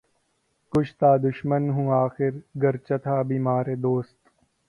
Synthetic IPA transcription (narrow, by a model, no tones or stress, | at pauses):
kʊt͡ʃʰt̪aːd̪ʊʃmənɦũːaːxɪɾɡɐɾt͡ʃɐt̪ʰaːbiːmaːɾeːd̪oːst̪